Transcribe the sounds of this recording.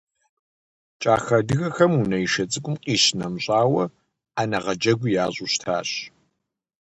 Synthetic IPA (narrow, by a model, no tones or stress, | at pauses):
t͡ʃʼaːxɐdɨɣɐxɐmunɐjiʃɐt͡sʼɨkʷʼʊmqʼiːɕnɐmɕʼaːwɐ | aːnɐʁɐd͡ʒɐɡʷʊjaːʑʼuɕtʰa̰ːɕ